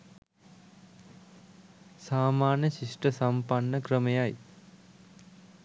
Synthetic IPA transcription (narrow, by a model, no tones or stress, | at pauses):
saːmaːnjəʃiʂʈəsampanːəkɾəmejaj